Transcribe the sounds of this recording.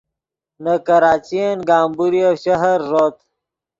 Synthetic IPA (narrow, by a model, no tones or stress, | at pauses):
nakɐɾaːt͡ɕienɡaːmbuɾiafɕɐɦɐɾːot̪